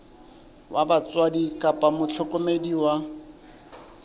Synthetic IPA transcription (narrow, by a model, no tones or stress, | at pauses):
wabat͡sʼwadikʼapʼamʊt͡ɬʰɔkʼomediwa